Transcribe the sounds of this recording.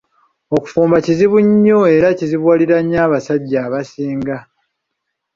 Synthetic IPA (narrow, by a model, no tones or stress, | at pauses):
oku̥fuːmbaciziβuɲːoe̞ɾaciziβwaːliɾaɲːaːβasaɟːaːβasiːŋɡa